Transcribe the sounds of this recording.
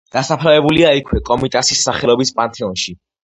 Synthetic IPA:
d̪̥asapʰɾavɛbuliaikʰwɛkʼɔmit̪ʼasisːaχɛlɔbispʼant̪ʰɛɔnʃi

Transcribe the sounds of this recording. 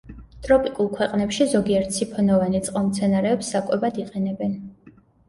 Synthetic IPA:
t̪ʼɾɔpʼikʼulˠkʰwɛqʼnɛpʃizɔɡiɛɾt̪ʰsʰipʰɔnɔvanit̪sʼqʼɛmt̪sʰɛnaɾɛːpsːakʼɛbad̪iqʼɛnɛbɛn

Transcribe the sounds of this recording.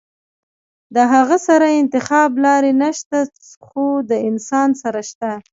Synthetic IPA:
d̪əɦaɣasaɾaɪnt̪ɪxɑblɑɾenaʃt̪a | xod̪əɪnsɑnsaɾaʃt̪a

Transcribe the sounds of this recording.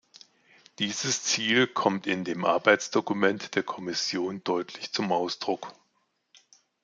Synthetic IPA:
d̥iːzəst͡siːlkʰɔmtɪndeːmʔa̰ɐbaɪt͡sd̥okumɛntd̥eːɐkʰɔmɪsjoːnd̥ɔʏtʰlɪçt͡sʊmʔaʊsd̥ʁʊk

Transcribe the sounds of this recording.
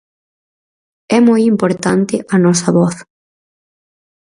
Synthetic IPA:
ɛmɔjimpoɾt̪ant̪ɪʔɐnɔsɐβɔθ

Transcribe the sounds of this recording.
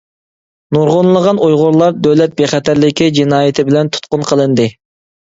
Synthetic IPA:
nuɾʁonlˠəʁɑnujʁʊɾlˠɑɾd̪øwlɛt̪̚beχɛt̪ʰæɾlɪkʲid͡ʒinɑːjɪt̪ʰɪbɪlɛnt̪ʰu̥t̪̚qʊnqʰəlˠɨnd̪ɨ

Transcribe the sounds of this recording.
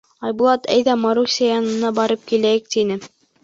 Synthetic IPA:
ɑjbulˠɑt̪æ̰jðæmɑɾusʲɑjɑnɤ̆nɑbɑɾɤp̚kilæjɘk̚t̪inɘ

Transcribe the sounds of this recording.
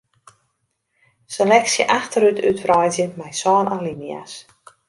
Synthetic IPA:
səlɛksjə̰ʔaxtəɾytʰytfrɔjzjəmɛjsɔːnɔlinia̰s

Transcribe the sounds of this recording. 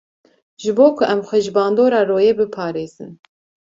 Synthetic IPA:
ʒɨboːkʰʊʔɛmxʷɛʒbɑːnd̪oːɾɑːroːjebɨpʰɑːɾeːz̥ɨn

